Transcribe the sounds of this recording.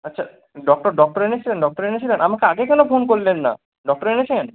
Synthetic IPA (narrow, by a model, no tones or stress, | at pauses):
atːɕʰa | ɖɔk̚ʈoɾɖɔk̚ʈoɾenet͡ɕʰilenɖɔk̚ʈoɾenet͡ɕʰilenʔamakeaɡekɛnofonkoɾlenːa̰ | ɖɔk̚ʈoɾenet͡ɕʰien